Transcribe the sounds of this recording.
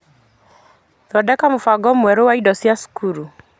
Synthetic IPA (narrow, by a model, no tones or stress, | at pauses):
ðɔdɛkamʊfaɡɔmwɛɾowaidɔsiasu̥kʰuɾu